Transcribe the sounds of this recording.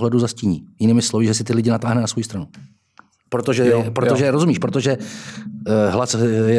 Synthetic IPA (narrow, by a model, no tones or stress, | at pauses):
ɦlɛduzasciːɲiːjɪniːmɪslovɪʒɛsɪt̪ɪlɪɟɪnat̪aːɦnɛnasvojist̪ɾanu | pɾot̪oʒɛpɾooʒɛɾozumiːʃpɾot̪oʒɛ | ɦlasjɛ